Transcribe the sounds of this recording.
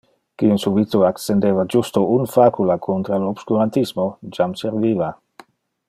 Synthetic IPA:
kinsubit̪oaksend̪eːvad͡ʒust̪ounfaːkulakʰont̪ɾalobskuɾant̪ismod͡ʒamseɾviːva

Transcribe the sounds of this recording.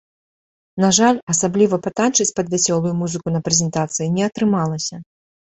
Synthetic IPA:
naʐalʲɐsablʲivɐpat̪ant͡ʂɨt͡sʲpɐd̪vʲɛsʲɔlˠujumuzɨkunɐpɾɛzʲɛnt̪at̪sɨjinʲɛɐt̪ɾɨmalˠɐsʲɐ

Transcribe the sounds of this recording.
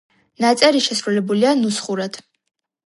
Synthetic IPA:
nat͡sʼaɾiʃɛsrulɛbulianusχuɾatʰ

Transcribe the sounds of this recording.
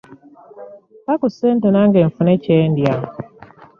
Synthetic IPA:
pakusentenaŋɡeɱfuneceːndja

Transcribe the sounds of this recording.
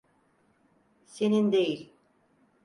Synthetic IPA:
senind̪ejilʲ

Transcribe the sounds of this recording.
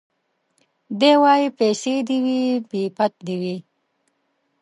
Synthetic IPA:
d̪ewɑːjipesed̪iwibipat̪̚d̪iwi

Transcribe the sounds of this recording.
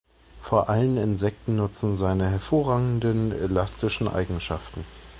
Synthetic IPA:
foːɐʔalənɪnzɛk̚tn̩nʊt͡sn̩zaɪnəɦɛɐfoːɐʁaːɡŋ̩dənḛlastɪʃn̩ʔa̰ɪɡŋ̩ʃaftn̩

